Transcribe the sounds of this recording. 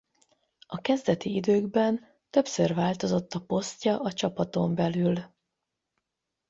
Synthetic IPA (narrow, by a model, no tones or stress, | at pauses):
ɒkɛzd̪ɛt̪iid̪øːɡbɛn | t̪ø̞psørvaːlt̪o̞zo̞t̪ːɒpo̞scɒʔɒt͡ʃɒpɒt̪o̞mbɛlyl